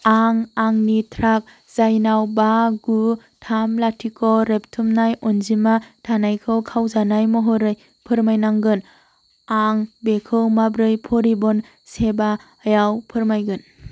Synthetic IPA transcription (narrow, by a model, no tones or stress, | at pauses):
aŋaŋnitʰɾak̚ | z̥ajnawbaɡu | tʰamlatʰikʰɔɾep̚tʰɯmnajɔnzimatʰanajkʰɯwkʰawzanajmɔɦɔɾɯj | pʰɯɾmajnaŋɡɯn | aŋbekʰɯwmabɾɯjpʰɔɾibɔn | seba | jawpʰɯɾmajɡɯn